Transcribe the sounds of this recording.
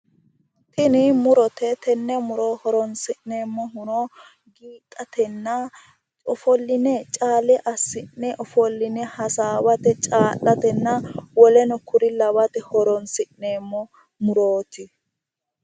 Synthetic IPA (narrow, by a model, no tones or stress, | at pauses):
t̪ɪnɪmʊɾɔt̪ɛt̪ɛnːɛmʊɾohɔɾɔnsɪʔneːmːɔɦʊnɔ | ɡiːt̪ʼːɐt̪ɛnːɐ | ɔfɔlːɪnɛt͡ʃʼaːlɛʔɐsːɪnːɛʔɔfɔlːɪnɛhɐsaːwɐt̪ɛt͡ʃʼaːlːɐt̪ɛnːɐwɔlɛnɔkʰʊɾɪlɐwɐt̪ɛhɔɾɔnsɪʔneːmːɔ | mʊɾoːt̪ɪ